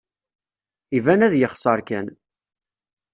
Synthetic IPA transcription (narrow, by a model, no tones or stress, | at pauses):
ivænæðjəχsˤɑɾˤkæ̰n